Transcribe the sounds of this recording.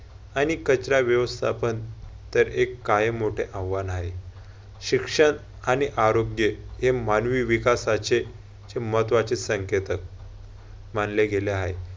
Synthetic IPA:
anikət͡ɕɾaʋjəʋəst̪ʰa̰pənt̪əɾekːaɦemoʈʰeʔãʋːanaɦe | ɕikʂəɳ | aniʔaɾoɡjəɦemanʋiʋikasat͡ɕe | t͡ɕemət̪ʋat͡ɕesəŋket̪ək̚ | m̤anleɡʱeleae

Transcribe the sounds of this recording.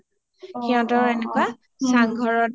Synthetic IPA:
xiɔ̃tɔɹɛnɛkwa | saŋɡʱɔɹɔt

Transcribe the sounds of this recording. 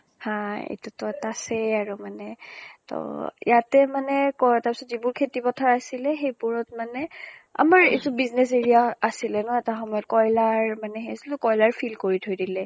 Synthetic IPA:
hãḛtutɔtasɛaɹumanɛtɔ̰jatɛmanɛkɔɛtaɹpi̥sɔtzibʊɹkʰetipɔtʰaɹasilɛxejpuɹɔt̚manɛa̰maɹḛtubiznes̬eɹijaasilɛnɔɛtaxɔmɔjɔtkɔjlaɹmanɛxeasiltʊkɔjlaɹfʰilkoɹitʰojdilɛ

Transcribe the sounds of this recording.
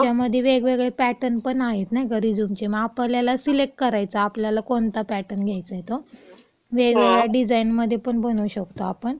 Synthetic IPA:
t͡ɕjaməd̪ʱjeʋeɡʋeɡɭepæʈənpəɳaɦet̪najkaɾid͡zumt͡ɕeməapljalasilek̚ʈkəɾajt͡saːpljalakont̪apɛʈənɡʱjajt͡səjet̪o | ʋeɡʋeɡɭjaɖid͡zainməd̪ʱːjepəɳbənuɕəkt̪oapəɳ

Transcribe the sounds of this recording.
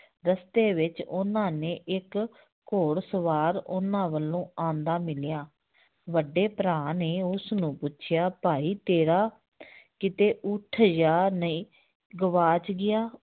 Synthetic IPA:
ɾəst̪eːʋɪt͡ʃʊnãːnẽːʔɪkː | oːɽsəʋaːɾʊ̰nãːʋəlːõːãːnd̪aːmɪljaː | ʋəɖːeːpɾãːneːʊsnũːpʊːʃʰɪjaːpaːiːt̪eːɾaː | kɪt̪eːʔʊʈʰjaːnəĩː | ɡəʋaːt͡ʃɡɪjaː

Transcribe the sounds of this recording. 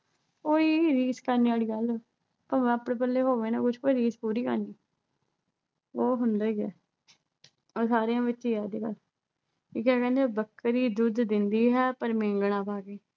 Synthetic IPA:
koːiːɾiːskəɾneːaːliːɡəlː | pəɾmɛ̃ːəpɽẽːpəlːeːɦoːʋẽːnãːkʊt͡ʃʰkoːiɾiːspuːɾiːkə̰ɾniː | oːɦʊnd̪aːiːɛː | oːsaːɾijãːʋɪtːiːɛːd̪eːkəl | kiːkɛːkɛ̃ːnd̪ebəkːɾiːd̪ʊd̪ːɪnd̪iːɦɛːpəɾmẽːŋɡɳ̃ãːpaːɡeː

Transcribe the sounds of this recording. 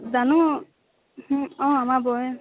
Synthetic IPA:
zanu | hɔ̃amabɔj

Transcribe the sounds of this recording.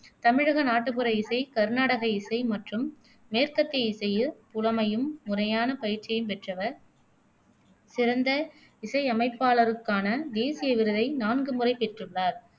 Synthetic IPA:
t̪ɐmɪɻɐɣɐnaːʈːɯpɯɾɐɪsɐɪkɐɾnaːɽɐɣɐɪsɐɪmɐʈrɯmː | eːɾkɐt̪ːɐɪɪsɐjɯpʊlɐmɐjɯmːʊrɐjaːnɐpɐjɪɾt͡ʃːɐjɯmpɛʈrɐʋɐɾ | sɪɾɐnd̪ɐ | ɪsɐɪɐmɐɪpːaːɭɐɾɯkːaːnɐd̪eːsɪjɐʋɪɾɯðɐɪnaːnɡɯmʊrɐɪpɛʈrɯɭːaːɾ

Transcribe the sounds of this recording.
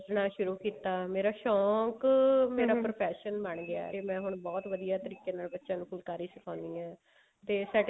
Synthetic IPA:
d͡ʒnaːʃʊɾuːkiːt̪aːmeːɾaːʃɔːkmeːɾaːpɾopʰɛːʃənbəɳɡɪa̰ːemɛ̃ːɦʊɳbɔːt̪ʋəd̪ijaːt̪əɾiːkjẽːnaːlbətːʃãːnũːkʊlkaːɾiːsəkʰãːnd̪iːɛ̃ː | t̪eːsaːɖ

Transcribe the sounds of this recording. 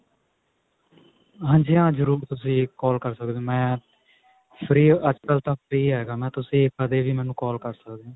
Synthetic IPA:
ɦãːɲd͡ʒijãːzəɾuːɾt̪ʊsĩːkɔːlkəɾsəkd̪õːmɛ̃ː | pʰɾiːəd͡ʒkəlt̪ãːpʰɾiːɦɛːɡaːmɛ̃ːt̪ʊsĩːkːəd̪eːʋiːmɛ̃ːnũːkɔːlkəɾsəkd̪eãː

